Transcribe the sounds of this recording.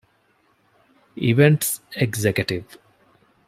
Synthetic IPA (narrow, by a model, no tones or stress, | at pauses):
iʋeɳʈseɡzekəʈiʋ